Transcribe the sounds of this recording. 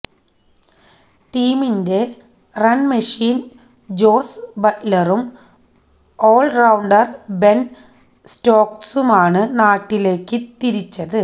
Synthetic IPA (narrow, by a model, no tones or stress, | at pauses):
ʈiːminde̞ | rɐnmɐʂiːn | d͡ʑo̞ːsbɐtlɐrum | o̞ːɭrɐwɳɖɐrbe̞n | sto̞ːksumaːɳɨnaːʈːile̞ːkːɨt̪iɾit͡ɕːɐðɨ